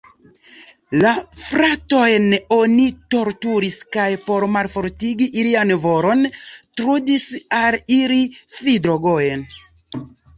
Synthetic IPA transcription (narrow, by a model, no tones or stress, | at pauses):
lafɾato̞jno̞nito̞ɾtuɾiskajpo̞ɾmalfo̞ɾtiɡiʔːlianvo̞ɾo̞ntɾudisaliɾifidɾoɡojen